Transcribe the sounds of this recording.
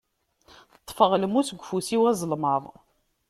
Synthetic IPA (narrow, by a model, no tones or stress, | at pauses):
ət̪ˤːfəʁləmusəɡʷːfusiwæzˤəlməðˤ